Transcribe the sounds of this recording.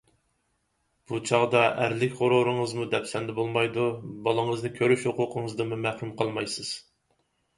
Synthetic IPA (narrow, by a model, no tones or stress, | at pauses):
b̥ut͡ʃʰɑʁd̪ɑʔæɾlɪkʲʁoɾoɾɨŋəzmud̪ɛpsɛnd̪ɛbolˠmɑjd̪ubɑlˠɨŋəznɨkʲʰøɾyʃhoqʊqʰəŋəzd̪ɨmumæhɾumqʰɑlˠmɑjsɨz̥